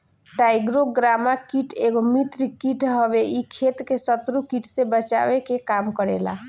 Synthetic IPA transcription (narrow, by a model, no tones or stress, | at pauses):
ʈajɡɾoɡɾamakiʈʰeɡomit̪ɾkiʈɦəbeʔikʰet̪kesət̪ɾukiʈsebət͡ʃa̰bekekamkəɾḛla̰